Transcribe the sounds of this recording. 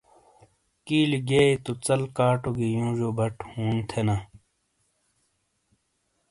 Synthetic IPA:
kiːliɡeːet̪ot͡sɐlkaːʈoɡijũːʑoːbɐʈʰhuːnt̪ʰenaː

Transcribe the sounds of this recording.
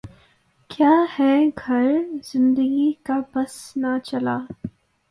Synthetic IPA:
kjaːhɛɡʱɐɾz̥ɪ̃nd̪əɡikabɐsnat͡ʃɐlaː

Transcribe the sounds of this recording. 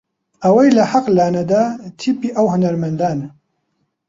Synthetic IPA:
ʔɐwɐjlɐħɐqlaːnɐd̪aːt̪ʰipiːʔɐwɦʊnɐɾmɐnd̪aːn

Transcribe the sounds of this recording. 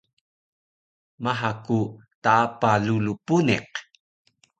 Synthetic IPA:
maħakutaapalulupunḛq

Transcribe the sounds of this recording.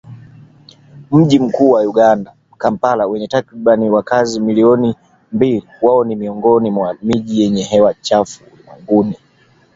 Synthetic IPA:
m̩ʄim̩kuːwajuɠanda | kampalawɛɲɛtakɾiɓaniwakazimiliɔni | mbiliwaɔnimiɔŋɡɔnimwamiʄijɛɲɛɦɛwat͡ʃafu | na̰ŋɡuni

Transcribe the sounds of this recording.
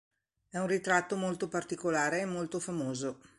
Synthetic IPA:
ɛũnrit̪ɾat̪ːomolt̪opart̪ikolaːɾeːmːolt̪ofamoːzo

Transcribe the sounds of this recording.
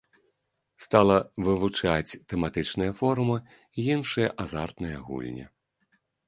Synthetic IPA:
st̪alˠɐvɨvut͡ʂat͡sʲt̪ɛmat̪ɨt͡ʂnɨjɐfɔɾumɨ | ijinʂɨjɐʔazart̪nɨjɐɣṵlʲnʲɛ̰

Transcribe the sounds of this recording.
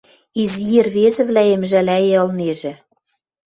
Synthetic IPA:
izjerβezɘ̆βlæemʒælæjeɤ̆lneʒĕ

